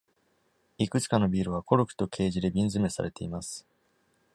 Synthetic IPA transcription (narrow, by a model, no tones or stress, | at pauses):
ikɯ̟t͡sɨ̥kano̞bʲiːɾɯ̟β̞ako̞ɾo̞kɯ̟̥t̪o̞kʰe̞ːʑid̪e̞bʲĩnzɨme̞sa̰ɾe̞t̪e̞imasɨ̥